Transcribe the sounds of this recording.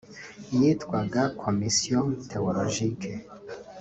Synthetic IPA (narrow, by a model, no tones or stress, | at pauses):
jitkwaɡakʰomisiotʰeoloʒikʰe